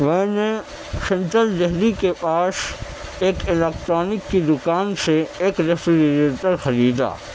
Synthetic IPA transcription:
ʋɛɦne | ʃɐ̃nʈ̪əld̪ɛɦlikepaːs | eːkɪleːkt̪ɾaːnɪkːid̪ʊkaːnseeːkɾefɾiɾet̪əɾxɐɾiːd̪a̰ː

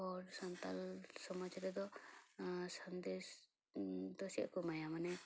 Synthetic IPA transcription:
ɔɾsant̪alsɔmɔt͡ʃaɾɛd̪ɔ | sand̪es | d̪ɔsia̰kɔmajamanɛ

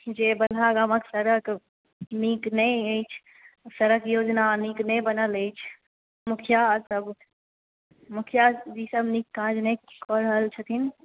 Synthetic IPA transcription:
d͡ʒebəlɦaɡaməksəɾək | niknəjəjt͡ʃʰ | səɾəkjod͡ʒnaniknɛjbənələt͡ʃʰ | mukʰjasəb | mukʰjad͡ʒisəbnikːãd͡ʒnəkɔɾəɦəlt͡ʃʰət̪ʰin

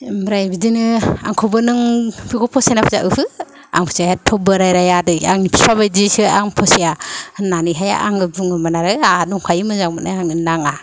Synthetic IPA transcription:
mɾajbidinɯa̰ŋkʰɔbɯnɯŋpʰiɡɔpʰɔsanapʰaza̰ʔɯhʰɯ | a̰ŋpʰɯ̥sahatʰɔbɯɾajɾajadɯjaŋnipʰipʰabajdisɯaŋpʰɔsijanːaniɦaja̰ʔaŋɯbuŋɯmanaɾɯaduŋkʰajimɯzakmɯnajaŋɯnaŋa

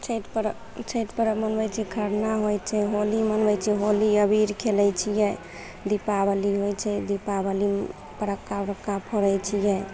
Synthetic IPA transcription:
t͡ʃʰeʈpəɾ | t͡ʃʰəʈpəɾmənbɛt͡ʃʰɛkʰəɾnaɦojt͡ʃʰɛɦolimənbɛjt͡ʃʰɛɦoliəbʱiɾkʰelɛjt͡ʃʰijɛ | d̪ipabəliɦojt͡ʃʰɛd̪ipabəli | pəɾəkːaɾəkːapʰɔɾəjt͡ʃʰijɛ

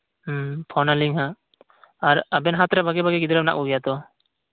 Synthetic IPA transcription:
pʰɔnaliŋɦa | aɾabɛnɦat̪ɾabaɡɛbaɡɛɡid̪ɔɾap̚na̰ʔuɡijat̪ɔ

